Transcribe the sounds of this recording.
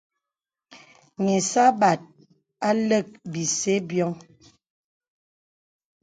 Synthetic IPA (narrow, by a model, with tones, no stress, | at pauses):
ŋe˨sa˦ba˨t̚ | a˦lə˦˨k̚bi˨se˦bjɔ˦ŋ